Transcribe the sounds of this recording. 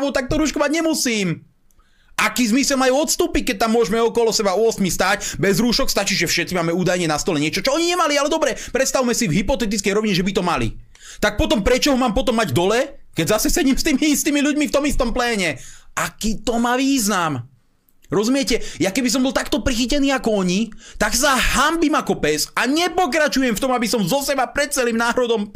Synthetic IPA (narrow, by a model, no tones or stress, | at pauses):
ʋut̪ak̚t̪ɔɾuːʃkɔʋaɟɲɛmusiːm | ʔakiːzmisɛlmajuɔt̪st̪uːpic̚kɛc̚t̪amːʊɔʒmɛɔkɔlɔsɛbaɔɔsmist̪aːcbɛzɾuːʃɔkst̪at͡ʃiːʒɛfʃɛt̪t͡simaːmɛuːd̪ajɲɛnast̪ɔlɛɲɪɛt͡ʃɔt͡ʃɔɔɲiɲɛmalialɛd̪ɔbɾɛpɾɛt̪st̪aʋumɛsivɦipɔt̪ɛt̪̬itt͡skɛjɾɔʋiɲɛʒɛbit̪ɔmalḭ | t̪ak̚pɔt̪ɔmpɾɛt͡ʃɔɦɔmaːmpɔt̪ɔmːaɟd̪ɔlɛkɛɟzasɛsɛɟimst̪iːmiist̪iːmiʎuɟmift̪ɔmist̪ɔmplɛːɲɛakiːt̪ɔmaʋiːznam | ɾɔzumɪɛcɛjakɛbis̬ɔmbɔlt̪akt̪ɔpɾixicɛniːakɔɔɲit̪aɡsaɦambimakɔpɛsaɲɛpɔk̬ɾat͡ʃujɛmft̪ɔmabisɔmzɔsɛbapɾɛt̪̚t͡sɛlimnaːɾɔd̪ɔm